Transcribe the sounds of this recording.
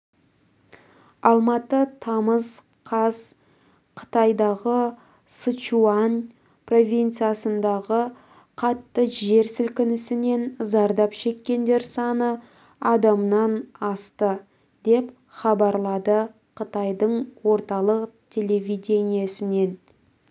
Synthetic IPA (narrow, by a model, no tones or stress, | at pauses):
ɑlˠmɑt̪ət̪ʰɑməz | qʰɑz | qʰə̥t̪ɑjd̪ɑʁə | sət͡ʃuan | pro̞vʲijnt̪sɨjasənd̪ɑʁə | qʰɑt̪ːəʒe̞ɾsɪlkʲɪnɪsɪne̞nzɑɾd̪ɑpʃe̞kʲːe̞nd̪e̞ɾsɑnə | ɑd̪ɑmnɑnɑst̪ə | d̪e̞p | χɑbɑɾlˠɑd̪ə | qʰət̪ɑjd̪əɴwo̞ɾt̪ɑlˠəqt̪ʲʰe̞lʲe̞vʲid̪ʲe̞nijasɪne̞n